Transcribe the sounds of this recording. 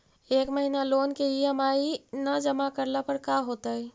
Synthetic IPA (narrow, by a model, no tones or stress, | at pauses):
eːkməɦinaloːnkeeɦəmainəd͡ʒəmakəɾlapəɾkaɦoːt̪əi